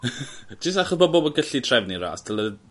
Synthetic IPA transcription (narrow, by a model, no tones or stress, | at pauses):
d͡ʒɪstaχɔsboːboːbəɡəɬitʰrɛvniɾa̰ːstʰəlˠə